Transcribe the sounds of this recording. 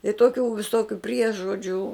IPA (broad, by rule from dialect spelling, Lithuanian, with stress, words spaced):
ɪ ˈtoːkʲuː ʋʲɪˈsoːkʲʊ ˈpʲrʲiɛʒoːd͡ʒʲuː